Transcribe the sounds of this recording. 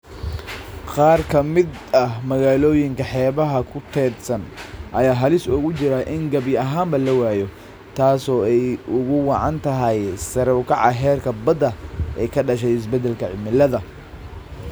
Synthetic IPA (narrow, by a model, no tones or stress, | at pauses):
qɑːrkʰɐmɪd̪ | ɐhmɐɣaːlɔːjɪŋkʰɐħɛːβɐɦɐkʰʊt̪ʰɛːd̪sɐnʔɐjaːɦɐlɪsʊɣʊt͡ʃɪɾaʔɪŋɡɐbjɐɦaːmbɐlɐwaːjɔ | t̪ʰaːsɔːɛjʔʊɣʊwɑʕɑ̰nt̪ʰɐɦɐjsɐɾɔwkʰɑʕɑɦɛːrkʰɐbɐd̪ɐʔɛjkʰɐɖɐʃɛjɪs̬bɛd̪ɛlkʰɐʕɪ̰mɪlɐðɐ